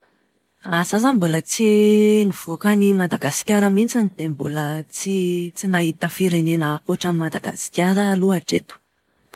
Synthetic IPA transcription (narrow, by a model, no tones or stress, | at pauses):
azazambulət͡siniv̥okanimad̪aɡasi̥kʲaɾəmint͡sanid̪̥embulət͡sit͡sinaɦit̪əfiɾenenəpuʈ͡ʂamimad̪aɡa̰si̥kʲjaɾəluaʈ͡ʂet̪u̥